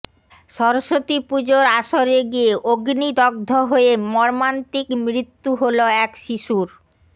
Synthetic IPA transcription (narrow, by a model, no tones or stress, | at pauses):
ʃɔɾoʃot̪ipud͡ʑoɾaʃoɾeɡieʔoɡnid̪ɔɡ̚d̪ʱoɦoemɔɾmant̪ikmɾit̪ːuɦoloɛkʃiʃuɾ